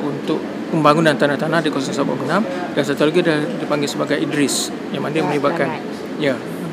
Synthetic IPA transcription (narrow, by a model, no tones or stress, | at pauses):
unt̪ʊʔ | pəmbaŋunant̪anaht̪anahdikosasaba̰ʔɡənamd̥ans̬at̪oloɡidadipaŋɡɪlsəbaɡajidɾɪs | jamandiəməɲibaʔkan | ja